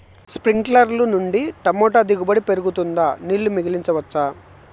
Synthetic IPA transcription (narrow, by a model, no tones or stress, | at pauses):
spɾiŋɡklɐɾlunuɳɖiʈɐmoːʈɐd̪iɡubɐɽipe̞ɾuɡut̪und̪aːniːɭːumiɡiliɲt͡ʃɐʋɐt͡ʃːaː